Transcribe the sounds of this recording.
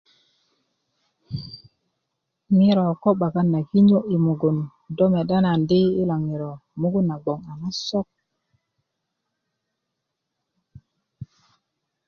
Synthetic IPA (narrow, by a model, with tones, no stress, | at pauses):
mi˦ɾo˨ko˦ɓa˨ka˦nːa˨ki˦ɲo˦ʔi˨mu˨ɡu˨n | do˦me˨ɗa˦na˨ndi˦i˦la˨ŋːi˨ɾo˨mu˦ɡu˦nːa˨ɡ͡bo˨ŋa˨ma˦so˦k̚